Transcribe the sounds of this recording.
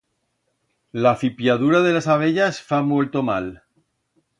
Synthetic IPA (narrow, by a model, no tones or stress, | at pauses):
lafipjaðuɾað̞e̞lasaβ̞eʎasfamwelt̪omal